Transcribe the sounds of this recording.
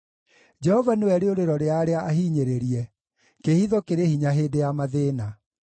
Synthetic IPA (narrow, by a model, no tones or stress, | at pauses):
d͡ʒɛhɔvanewɛɾeoɾeɾɔɾeaɾeaʔaɦiːɲeɾeɾiɛ | kehiðɔkeɾehiɲaɦeːdejamaðeːna